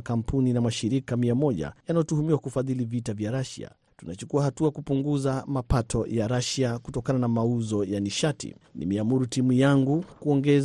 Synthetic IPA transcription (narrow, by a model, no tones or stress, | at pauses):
kam̩puninamaʃiɾikamiamɔʄa̰janajɔtuhumiwakufaðilivitavjaɾaʃḭa̰ | tunat͡ʃukuahatuakupuŋɡuzamapatɔjaɾaʃiakutɔkananamauzɔjaniʃatḭnḭmɛamuɾutimujaŋɡukuɔŋɡɛz